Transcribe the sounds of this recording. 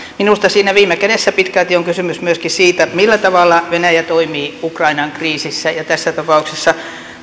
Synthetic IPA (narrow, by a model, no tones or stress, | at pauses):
minust̪ɑsiːnæʋiːmekædesːæpit̪kælt̪ioŋkysymysmyøskisiːt̪æmilːæt̪ɑʋɑlːɑʋenæjæt̪oimiːukrɑinɑŋkriːsisːæjɑt̪æsːæt̪ɑpɑuksesːɑ